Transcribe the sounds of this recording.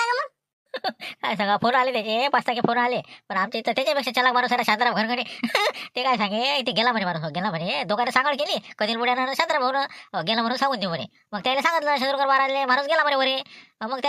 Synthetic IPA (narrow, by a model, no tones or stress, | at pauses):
aŋɡməɡ | kajs̬aŋɡafonalet̪jat͡ɕepast̪ak̬efonalepəɳamt͡ɕeit̪ːat̪jat͡ɕapekʂat͡ɕəlakmaɾuːsalaɕand̪ɾabɡʱəɾkəɽit̪ekajsãŋɡeit̪ʰeɡelam̤əɳemaɾuːsɡelaməɳd͡ʑed̪oɡanəsãŋɡəɭkeliːkəd̪iːlmuɽjananəɕand̪ɾabʱənɡelaməɾuːnsãŋɡuːnd̪iməɾḛ | məɡt̪jalesãŋɡət̪ləɕənɾukəɾʋaɾad̪lemaɾuːsɡelaməneʋəɾeməɡ̚t̪